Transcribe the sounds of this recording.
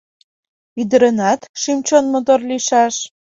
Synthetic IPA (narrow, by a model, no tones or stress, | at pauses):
yd̪ə̆ɾə̆nɑt̪ʃimt͡ɕonmot̪orliʃɑʃ